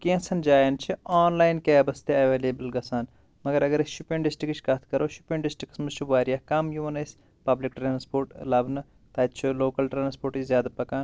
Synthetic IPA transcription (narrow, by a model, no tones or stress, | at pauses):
kẽsɐnd͡ʒaːjɐnt͡ʃʰiaːnlaːjnkeːɐbɐst̪eɐʋeːleːbɐlɡɐsaːn | mɐɡɐɾɐɡɐɾʃupẽɳɖɖisʈɾikt͡ʃʰkɐt̪ʰkɐɾʔoːʃupẽɳɖisʈɾiksmɐt͡ʃʰuʋaːɾjaːkɐmjuʋɐnɐsʲ | pɐblik̚ʈɾãːnspoːɾʈlɐbnɨ | t̪aːt̪t͡ʃʰuloːkɐlʈɾaːnspoːʈt͡ʃzjaːd̪apɐkaːn